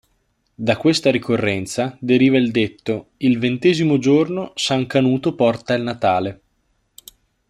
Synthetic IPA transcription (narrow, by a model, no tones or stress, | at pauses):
d̪akwest̪aɾikorːɛnt̪sad̪eɾiːvaild̪et̪ːoilvent̪ɛːzimod͡ʒornosaŋkanuːt̪opɔrt̪ailnat̪aːle